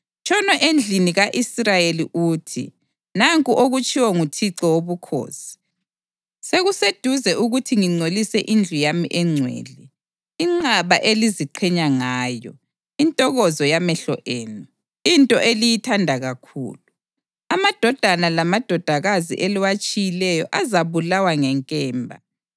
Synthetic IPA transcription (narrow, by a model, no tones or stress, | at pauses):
t͡ʃʼʰɔnɔʔend͡ɮʱiniɣaʔisrajeliʔuːtʰḭ | naŋkʼuʔoɣut͡ʃʼiwɔŋutʰiǀɔwoβukʰo̰ːsi̥ | seɣused̥ʱuzɛʔuɣutʰiŋiŋ͡ǀolisɛʔind͡ɮʱujamiʔɛŋ͡ǀʱwɛ̰ːlɛː | ŋ͡ǀaβaʔeliziǃʰɛɲaŋaːjɔ̰ | intʼɔɣɔzɔjamɛɬɔ̰ʔeːnu | intʼɔʔelijitʰandʱaɣakʰṵːlu | amad̥ʱɔd̥ʱanalamad̥ʱɔd̥ʱaɣazḭʔeliwat͡ʃʼijilɛjɔʔazaβulawaŋɛŋkʼɛːmbʱa̰